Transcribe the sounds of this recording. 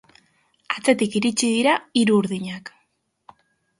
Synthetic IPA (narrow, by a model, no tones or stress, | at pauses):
at͡se̞t̪ikiɾit͡ʃiðiɾaiɾuːɾðiɲak